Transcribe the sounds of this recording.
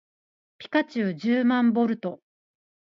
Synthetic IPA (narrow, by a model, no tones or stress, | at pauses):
pʲi̥kat͡ɕɨːd͡ʑɨːmãmbo̞ɾɯ̟t̪o̞